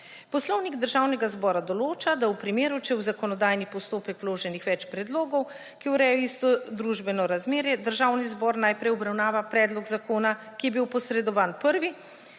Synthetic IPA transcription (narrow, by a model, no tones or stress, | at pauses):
pɔslɔwniɡd̪əɾʒawnɛɡazbɔːɾad̪ɔloːt͡ʃad̪awpɾimeːɾut͡ʃɛwzakɔnɔd̪aːjnipɔst̪oːpɛkwloːʒɛnixʋɛt͡ʃpɾɛd̪loːɡɔw | kiwɾɛːjɔist̪ɔd̪ɾuʒbɛnɔɾazmeːɾjɛd̪əɾʒaːwnizbɔːɾnajpɾɛjɔbɾawnaːʋapɾɛːd̪lɔɡzakoːna | kijɛbiwpɔsɾɛd̪ɔʋaːnpəɾʋi